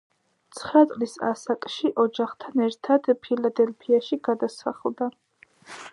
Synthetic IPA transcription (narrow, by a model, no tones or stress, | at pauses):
t̪sʰχɾat̪sʼlisa̰sakʼʃiʔɔd͡ʒaχt̪ʰanɛɾt̪ʰad̪̥pʰilad̪ɛlpʰiaʃiɡad̪asa̰χlˠd̪a